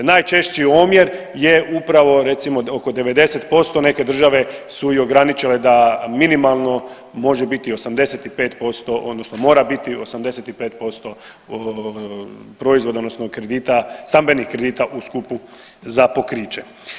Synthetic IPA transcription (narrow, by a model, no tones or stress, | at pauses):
naːjt͡ʃe̞ʃt͡ɕiomje̞ɾ | jeʔupɾaʋo̞ɾe̞t̪simo̞oko̞d̪e̞ʋe̞d̪e̞set̪po̞st̪o̞ne̞ke̞d̪r̩ʒaʋe̞suio̞ɡɾanit͡ʃiled̪aminimalˠno̞ | mo̞ʒebit̪io̞samd̪e̞set̪ipeːt̪po̞st̪o̞ʔo̞d̪nosnomo̞ːɾabit̪io̞samd̪e̞set̪ipeːt̪̚po̞st̪o̞ | pɾo̞izʋod̪aod̪nosnokɾed̪iːt̪ast̪ambe̞nixkɾed̪iːt̪aʔuskupu | zapo̞kɾiːt͡ʃe